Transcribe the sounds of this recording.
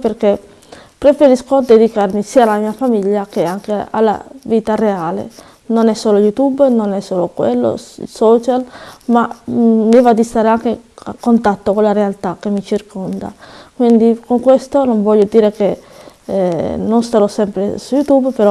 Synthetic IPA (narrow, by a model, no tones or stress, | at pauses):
perke | pɾefeɾiskod̪ed̪ikarmisiːalamiːafamiʎːakeaŋkea̰lːa̰viːt̪areaːlḛ | nonɛsːoːlojut̪ubnonɛsːoːlokwḛlːo̰sɔt͡ʃalmaːivad̪ist̪aːɾeaŋkea̰kːont̪at̪ːokolːaɾealt̪akːemːit͡ʃirkʰɔnd̪a̰kwind̪ikoŋkwest̪onoɱvɔʎːod̪iːɾeke | nonst̪aɾɔsɛmpɾḛsujut̪ubpeɾɔ